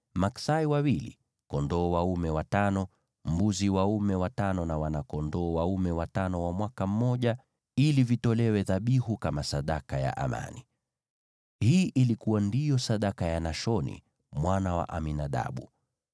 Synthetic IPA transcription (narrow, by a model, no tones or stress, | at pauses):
maksaiwawilḭ | kɔndɔːwaumɛwatanɔ | m̩buziwaumɛwatanɔnawanakɔndɔːwaumɛwatanɔwamwakam̩mɔʄa | ilivitɔlɛwɛðaɓihukamasaɗakaja̰ʔa̰ma̰ni | hiːʔilikuwandijɔsaɗakajanaʃɔnḭ | mwanawa̰ʔaminaɗa̰ɓu